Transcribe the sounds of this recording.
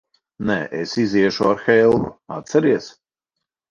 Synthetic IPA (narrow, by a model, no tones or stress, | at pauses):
nɛ̰ʔesiziɛʃuaɾxɛlˠvṵa̰t̪sɛɾiɛs